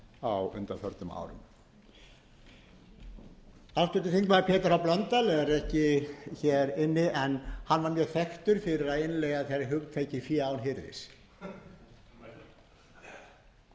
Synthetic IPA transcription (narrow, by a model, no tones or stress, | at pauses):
awʏ̰nt̪afœɾt̪ʏma̰ːwɾʏ̰m | ast̪ʏt̪ɪθiŋkvaɾpʰɛːt̪ʏɾawplant̪alɛɣaɾɛhcɪçɛɾɪnːɪʔɛnhanvaɾmjœːθɛxt̪ʏɾ̥fɪɾɪɾaðeɪnlɛːɣaðθeɾaɦʏkt̪ʰeːcɪfjiːaːwnɦɪɾðɪ̰s